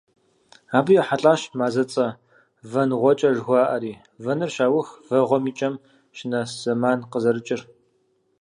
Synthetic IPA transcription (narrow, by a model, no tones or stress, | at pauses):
aːbɨjɛħaɬʼaːʃmaːzɐt͡sʼɐ | vɐnʁʷɔt͡ʃʼɐʒɣʷaːʔɐɾiː | vɐnɨrʃaːwʊxvɐʁʷɔmiːt͡ʃʼɐm | ʃɪnɐz̥ɐmaːnqəzɐɾɨt͡ʃʼɪr